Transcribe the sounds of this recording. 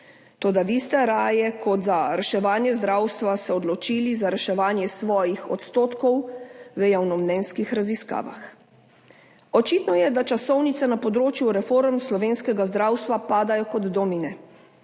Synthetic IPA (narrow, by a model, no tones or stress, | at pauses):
t̪oːd̪aʋist̪ɛɾaːjɛkʰɔt̪zaɾɛʃɛʋaːnjɛzd̪ɾaːwst̪ʋasɛɔd̪lɔt͡ʃiːlizaɾɛʃɛʋaːnjɛsʋɔːjixɔt̪st̪oːt̪kɔwʋəjawnɔmnɛnskixɾaziska̰ːʋa̰x | ɔt͡ʃiːt̪nɔjɛd̪at͡ʃasɔwnit̪sɛnapɔd̪ɾoːt͡ʃjuɾɛfoːɾmslɔʋeːnskɛɡazd̪ɾaːwst̪ʋapaːd̪ajɔkɔd̪d̪ɔminɛ